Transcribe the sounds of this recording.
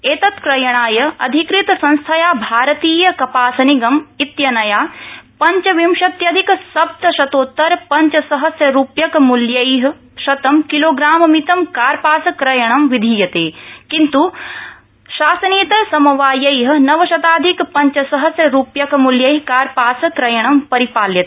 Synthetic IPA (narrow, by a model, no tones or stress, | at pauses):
eːt̪ɐt̪kɾɐjɐɳ̃aːjɐɐd̪ʱikɾit̪sɐ̃nst̪ʰɐjaːbʱaːɾɐt̪iːjɐkɐpaːsɐniɡɐmit̪jɐnɐjaːpɐɲt͡ʃɐʋimʃɐt̪jɐd̪ʱiksɐb̚t̪ɐʃɐt̪oːt̪ːɐɾpɐɲt͡ʃɐsɐɦɐsjɐɾuːpjɐkmuljɐjɦɐ̆ | ʃɐt̪ɐmkiloːɡɾaːmɐmit̪ɐmkaːɾpaːsɐkɾɐjɐɳ̃ɐmʋid̪ʱiːjɐt̪eːkint̪u | ʃaːsɐniːt̪ɐsɐmɐʋaːjɐjɦ̆nɐʋɐʃɐt̪aːd̪ʱikpɐɲt͡ʃɐsɐɦɐsjɐɾuːpjɐkmuljɐjɦkaːɾpaːsɐkɾɐjɐɳɐmpɐɾipaːljɐt̪ː